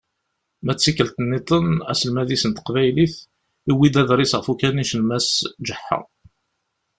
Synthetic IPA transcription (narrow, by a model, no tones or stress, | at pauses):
mæt͡sːikːəlt̪ənːit̪ˤənæ̰səlmæðisənt̪ə̥qvæjliθ | iwid̪æðɾˤisʁəfukæniʃəlmæsd͡ʒəħːa̰